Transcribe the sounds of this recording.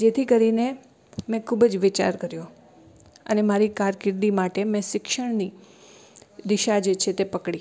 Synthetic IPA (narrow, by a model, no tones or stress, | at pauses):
d͡ʒet̪ʰikəɾine | mɛ̃kʰubəd͡ʒʋɪt͡ʃa̰ɾkəɾjo | ə̰nemaɾikaɾkɪɾd̪imaʈemɛ̃ʃɪkʃəɳ̃ni | d̪ɪʃad͡ʒet͡ʃʰet̪epəkɽi